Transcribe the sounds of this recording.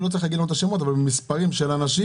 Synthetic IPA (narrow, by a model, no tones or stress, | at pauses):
lot͡saʁixlaɡielmot̪̬aʃemot̪̬avalbemispaʁimʃelanaʃi